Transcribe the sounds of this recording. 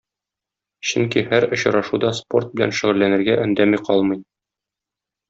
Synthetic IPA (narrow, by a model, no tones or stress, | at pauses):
ɕɵŋkihæɾŏɕɤ̆ɾɑʃud̪ɑspo̞̰rt̪̚bɘ̆læ̰nʃɘ̆ʁɘ̆lːænɘ̆ɾɡæʔɵ̆nd̪æmiqʰɒlˠmɤj